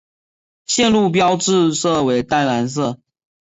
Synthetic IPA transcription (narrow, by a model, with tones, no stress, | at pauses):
ɕjɛ˥˧nlu˥˩p̬jɑ˦ʊʈ͡ʂɻ̩˥˧sɤ˥˩we˧˥ɪt̪a˥nla˧˥ns̬ɤ˥˩